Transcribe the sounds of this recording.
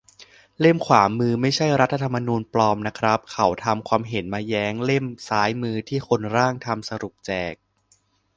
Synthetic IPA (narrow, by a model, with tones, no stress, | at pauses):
le˥˩mkʰwaː˩˦mɯː˧ma˥˩jt͡ɕʰa˥˩jɾa˦˥t̪ʰːa˧t̪ʰa˧mːa˧nuː˧nplɔː˧mna˦˥kʰɾa˦˥p̚kʰa˨˩˦wt̪ʰa˧mkʰwaː˧mɦe˩˦nmaː˧jɛː˦˥ŋle˥˩msaː˦˥jmɯː˧t̪ʰiː˥˩kʰo˧nɾaː˥˩ŋt̪ʰa˧msa˧ɾu˨˩p̚t͡ɕɛː˨˩k̚